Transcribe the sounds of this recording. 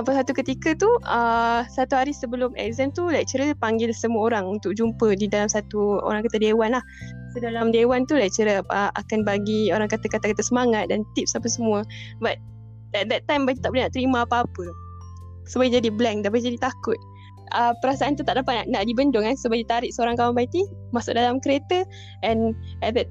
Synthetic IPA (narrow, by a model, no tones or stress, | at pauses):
apasat̪ukət̪ikət̪uəsat̪uɦaɾisəbəlʊmɛ̰k̚zɛmt̪ulajk̚t͡ʃəɾəpaŋɡɪlsəmuəoɾaŋunt̪ʊk̚d͡ʒumpədidalamsat̪uo̰ɾaŋkat̪adewanlah | sodalamdewant̪ulajk̚t͡ʃəɾəəʔa̰kanbaɡioɾaŋkat̪akat̪akat̪asəmaŋat̪̚dant̪ip̚sapəsəmuəbat̪̚ | ɛt̪̚d̪ɛt̪ːajmbad͡ʒit̪aʔbolehnaʔt̪əɾimãːpaːpə | səbaɡid͡ʒadiblɛŋdaʔbaɡid͡ʒadit̪akʊt̪̚ | əpəɾasaʔant̪̬ut̪aʔdapat̪̚aʔnaʔdibəndʊŋkansobad͡ʒit̪aɾɪʔsəoɾaŋkawanbait̪imasʊʔ̚dalamkəɾet̪ə | ɛ̃nɛt̪̚d̪ɛt̪̚